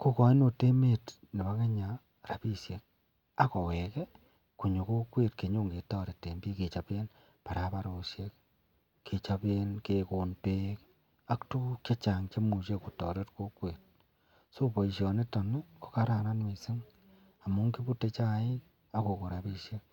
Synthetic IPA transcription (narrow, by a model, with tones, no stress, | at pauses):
ko˦kɔ˨i˦no˨te˦me˦t | ne˨βa˦ke˦ɲa˨ | ra˨pi˦sje˨k̚ | a˦kɔ˨we˨ke˦ | ku˨ɲo˨ko˦kwe˦tke˨ɲo˦ŋɡe˨tɔː˦ɾe˨te˨mbi˦ke˨t͡ʃa˨pe˦n | pa˨ɾa˨pa˦ɾo˨sje˦k | ke˨t͡ʃa˨pe˦nke˨ko˨nte˦k | a˦ktu˦ke˦t͡ʃa˨ŋt͡ʃe˦mu˨ʃe˦ku˨tɔ̰˨ɾe˦tko˦kwe˨t̚ | so˦pɔ˨i˨ʃjɔ˨ne˦tɔ˨ne˦ko̥˨ka˦ɾa˨na˦nwe˨sɪ˦ŋ | a˨mu˦ŋki˦bu˦te˦t͡ʃa˦ɪ˦ | a˦ko˨ko˨ɾa˨pi˦sje˦k̚